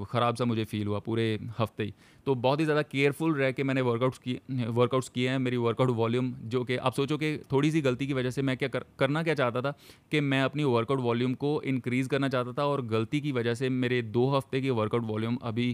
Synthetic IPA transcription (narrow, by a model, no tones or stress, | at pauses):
xɐɾaːbsamʊd͡ʒʱefʰiːlɦuapuːɾehɐft̪ei | t̪oːbɔːt̪ɦizjaːd̪akeːɾfʊlɾɛɦkemɛ̃ːneʋəɾkaʊʈskiʋəɾkaʊʈskieɦɛ̃meːɾiʋəɾkaʊʈʋaːljumd͡ʒoːkeʔa̰ːpsoːt͡ʃoket̪ʰoːɽis̬iɡɐlt̪ikiʋɐd͡ʒəsemɛ̃kjakɐkɐɾnak̬jat͡ʃaːɦt̪at̪ʰakemɛ̃ɐpniʋəɾkaʊʈʋaːljũːmkoɪ̃nkɾiːzkɐɾnat͡ʃaːɦt̪at̪ʰaɔːɾɡɐlt̪ik̬iʋɐd͡ʒəɦsemeːɾed̪oːɦɐft̪ekiʋəɾkaʊʈʋaːljuːmɐ̰bʱi